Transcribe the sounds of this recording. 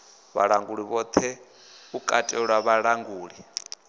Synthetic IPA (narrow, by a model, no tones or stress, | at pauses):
βa̰ɺaŋɡuɺiβɔt̪ʰɛ | ukʼatʼɛɺwaβaɺaŋɡuːɺi